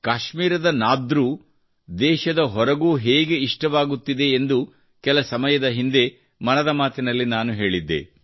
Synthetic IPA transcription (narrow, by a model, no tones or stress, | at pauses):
kaːʃmiːɾɐd̪ɐnaːd̪ɾu | d̪ɛːʃɐd̪ɐɦɔɾɐɡuːɦeːɡe̞iʂʈɐʋaːɡut̪ːid̪e̞ːnd̪u | kɛlɐsɐmɐjɐd̪ɐɦind̪e̞ | mɐnɐd̪ɐmaːt̪inɐlːinaːnuɦe̞ːɭid̪ːḛ